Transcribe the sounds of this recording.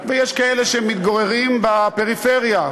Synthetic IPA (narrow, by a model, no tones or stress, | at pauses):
vejeʃkaeleʃemit̪̚ɡoʁeʁimbape̞ʁifeʁja